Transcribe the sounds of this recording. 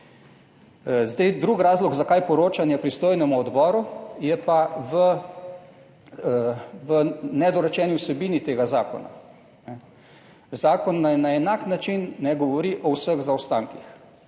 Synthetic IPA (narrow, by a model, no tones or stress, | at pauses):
zd̪ajd̪ɾuɡɾaːzlɔɡzakajpɔɾoːt͡ʃanjɛpɾist̪oːjnɛmuɔd̪bɔːɾujɛpaʋə | ʋənɛd̪ɔɾɛt͡ʃɛːniwsɛbiːnit̪eːɡazaːkɔ̰na̰ | nɛ | zaːkɔnːajnaɛnaknat͡ʃinːɛɡɔʋɔɾiʔɔwsəɣzawst̪aŋkix